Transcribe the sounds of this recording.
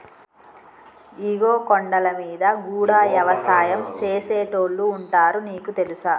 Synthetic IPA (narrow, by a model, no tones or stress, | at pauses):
iɡo̞ːkoɳɖɐlɐmiːd̪ɐɡuːɽaːʋjɐʋɐsaːjɐmt͡ʃeːseːʈoːɭːuːɳʈaːɾuniːkut̪e̞lusɐ